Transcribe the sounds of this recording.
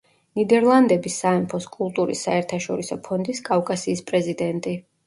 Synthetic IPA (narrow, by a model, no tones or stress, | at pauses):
nid̪ɛɾlˠand̪ɛbisːaɛmpʰɔskʼulˠt̪ʼuɾḭsːaɛɾt̪ʰaʃɔɾisɔpʰɔnd̪iskʼafkʼasiːspʼɾɛzid̪ɛnt̪ʼi